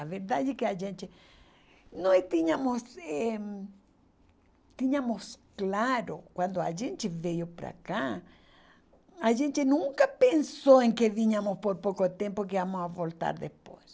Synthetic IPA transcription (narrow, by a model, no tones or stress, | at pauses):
aveɾd̪ad͡ʒɪkɪaʒẽnt͡ʃ̪ɪ | nɔst̪iɲɐmʊsɛ | t̪iɲɐmʊsklaɾʊkwãnd̪ʊaʒẽnt͡ʃ̪ɪvejʊpɾa̰ka | aʒẽnt͡ʃ̪ɪnũŋkɐpẽnsowẽŋkeviɲɐmʊspoɾpowkot̪ẽmpok̬eamosavolt̪a̰ɾd̪epojs